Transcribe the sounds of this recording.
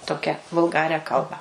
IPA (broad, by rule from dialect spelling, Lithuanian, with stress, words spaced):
ˈtoːkʲɛ ʋʊlˠˈɡɑːrʲæː ˈkɐlˠbɑː